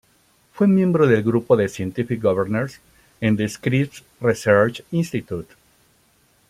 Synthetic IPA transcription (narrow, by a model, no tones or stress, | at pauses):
fwemjẽmbɾoðelɡɾupoðesjẽnt̪ifik̚ɡoβeɾneɾs | ẽnd̪eskɾip̚t̪ | riseɾt͡ʃĩnst̪it̪jut̪